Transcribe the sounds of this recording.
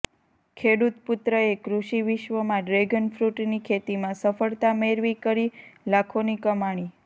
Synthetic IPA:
kʰeɽut̪pʊt̪ɾəekɾuʃiʋiʃʋəmãɖɾeɡənfɾuʈnikʰet̪imãsəfəɭt̪ameɾʋikəɾilakʰonikəmaɽ̃i

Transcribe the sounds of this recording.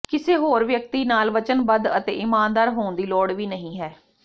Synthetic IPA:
kɪseːɦoːɾʋjək̚t̪iːnaːlʋət͡ʃənbəd̪ət̪ḛːʔɪmaːnd̪aːɾɦoːnd̪iːlɔːɽʋiːnəɦĩːɦɛː

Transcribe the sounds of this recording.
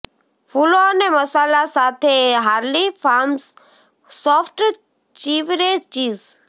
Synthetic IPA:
fʰuloneməsaːlasaːt̪ʰeɦaːɾlipʰaːms | sɔːfʰʈ | t͡ʃiːʋɾet͡ʃiːz

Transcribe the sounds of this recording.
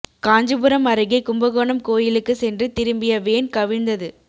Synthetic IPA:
kaːɲd͡ʒɯbɯɾɐmɐɾɯɣɐɪkʊmbɐɣoːɳɐmkoːjɪlɯkːɯsɛndrɯt̪ɪɾɯmbɪjɐʋeːnkɐʋɪnd̪ɐðɯ

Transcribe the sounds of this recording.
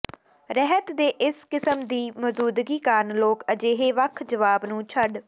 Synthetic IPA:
ɾɛɦət̪d̪eːʔɪskɪsəmd̪iːməd̪uːd̪ɡiːkaːɾnloːkəd͡ʒeːɦeːʋəkʰd͡ʒəʋaːbnũːt͡ʃʰəɖ

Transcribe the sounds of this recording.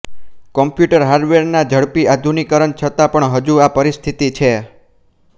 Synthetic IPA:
kɔmpjuʈəɾɦaɾɖʋeɾnad͡ʒəɽpiad̪ʱunikəɾənt͡ʃʰət̪apəɳɦəd͡ʒuapəɾist̪ʰit̪it͡ʃʰe

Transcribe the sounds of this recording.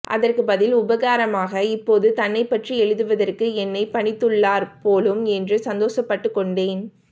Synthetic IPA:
ʔɐ̰ðɐrkɯbɐðɪlʊbɐɣaːɾɐmaːɣɐɪpːoːðɯt̪ɐnːɐɪpːɐʈriɛɻɯðɯʋɐðɐrkɯɛnːɐɪpɐɳɪt̪ːɯɭːaːɾpoːlɯmɛndrɯsɐnd̪oːsɐpːɐʈːɯkːɔɳɖeːn

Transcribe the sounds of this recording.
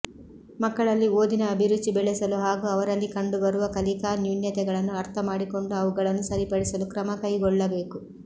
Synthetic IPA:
mɐkːɐɭɐlːioːd̪inɐːbʱiɾut͡ʃːibɛɭɛsɐluɦaːɡuɐʋɐɾɐlːikɐɳɖubɐɾuʋɐkɐlikaːnjuːnjɐt̪ɛɡɐɭɐnːuɐɾt̪ʰɐmaːɽiko̞ɳɖuɐʋuɡɐɭɐnːusɐɾipɐɽisɐlukɾɐmɐkɐjɡɔɭːɐbe̞ːku

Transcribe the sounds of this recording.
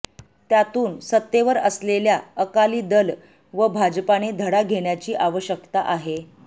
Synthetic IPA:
t̪jat̪uːnsət̪ːeʋəɾəsleljaəkaliːd̪əl | ʋəbʱad͡ʑpaned̪ʱəɽaɡʱeɳjat͡ɕiːʔaʋəɕjəkt̪aʔaɦe

